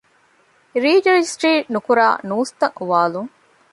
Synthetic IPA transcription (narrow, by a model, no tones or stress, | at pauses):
ɾiːd͡ʒɐɾed͡ʒisʈɾiːʈnukuɾa̰ːnuːst̪ɐŋuʋaːluŋ